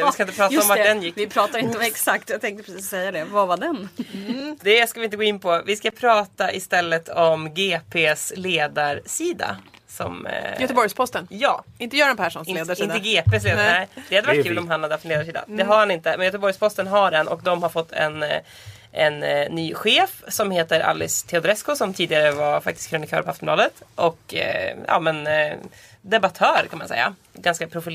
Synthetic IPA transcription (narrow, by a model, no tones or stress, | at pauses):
ɪskaɪnt̪əpʰɾɑːtaɔmvaɖɛnjɪkːɪpʰɾɑːt̪aɾɪnt̪əɔɛksak̚t̪jat̪ʰɛŋkt̪əpɾɛsiːssɛjːad̪ɛvavaɖɛn | d̪ɛskavɪnt̪əɡoːɪnːpʰɔvɪskapʰɾɑːt̪aʔɪst̪ɛlːət̪ʰɔmɡeːpʰeːsleːd̪aɾʂiːd̪a̰sɔ̰mjt̪əbɔɾjspʰɔst̪ənjɑ̰ːɪnt̪əjœːɾɛnpʰæʂunsleːd̪aɪnəɡeːpeːsleːd̪ɛd̪ɛhad̪əvaʈ̚kʉ̟ːlɔmɦanhad̪ːaft̪nleːd̪aʂiːd̪a̰d̪ɛɦaɾhanɪnt̪əmɛnjœːt̪əbɔɾjspʰɔst̪ənɦaɖɛnʔɔ̰kd̪ɔmɦaɾfɔt̪ʰːɛ̰n | ɛnːyːɧeːfsɔmheːt̪əɾʔa̰lːɪ̰st̪ʰɛʊd̪ɾɛskʊsɔmt̪ʰiːd̪ɪɡaɾəvaɾfak̚t̪ɪskʰɾʊnɪkʰœ̰ːɾpɔaft̪ɔmlɑːd̪ət̪ʔɔkːjɑ̰ːmɛn | d̪ɛbat̪ʰœːɾkʰanmansɛ̰jːa̰ | ɡanskapʰɾʊfɪl